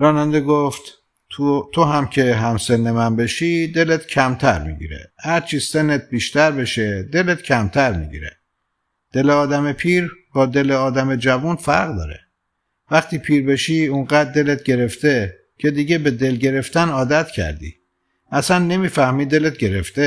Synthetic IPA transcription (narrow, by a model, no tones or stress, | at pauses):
ɾɒːnænd̪eɡoft̪ | t̪ʰoɦæmcʰe̞ɦæmse̞nːemænbe̞ʃiːd̪e̞let̪cʰæmt̪ʰæɾmḭɟḭɾḛhæɾt͡ʃʰiːsenːet̪̚biːʃt̪æɾbe̞ʃed̪e̞let̪cʰæmt̪ʰæɾmḭɟḭɾḛ | d̪̥e̞leɒːd̪æme̞pʰiːɾb̥ɒːd̪e̞leɒːd̪æmed͡ʒævunfæɾɣd̪ɒ̰ːɾḛ | væχt̪ʰiːpʰiːɾbe̞ʃiːuɴɢæːd̪̚ːe̞let̪̚ɟe̞ɾe̞ft̪e̞ | cʰe̞d̪iːɟe̞be̞d̪e̞lɟe̞ɾe̞ft̪ænɒːd̪æt̪cʰæ̰ɾd̪ḭː | ʔæsænːe̞miːfæhmiːd̪e̞let̪̚ɟe̞ɾeft̪e